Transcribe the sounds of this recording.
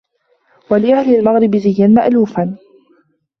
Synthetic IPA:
walɪʔahlɪlmaɣɾɪbzɪjːanmaʔluːfan

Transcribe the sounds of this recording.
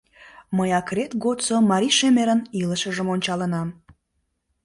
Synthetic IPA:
məjɑkret̪ɡot͡somɑɾʲiʃemeɾəniləʃəʒəmonʲt͡ɕɑlənɑm

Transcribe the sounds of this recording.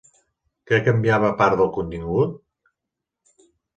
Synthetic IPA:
kɛkəmbiaβəpaɾt̪ðəlˠkunt̪iŋɡut̪̚

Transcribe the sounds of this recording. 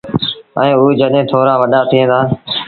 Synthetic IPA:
ə̃ːuːd͡ʒəɗẽːt̪ʰoːɾaːʋəɗaːt̪ʰiẽːt̪ʰaː

